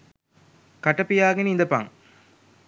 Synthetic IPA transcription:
kɐʈɐpijaːɡeniind̪ɐpa̰ŋ

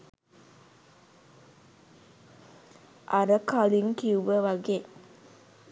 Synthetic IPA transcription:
ʔaɾəkaliŋkiuʋəʋaɡe

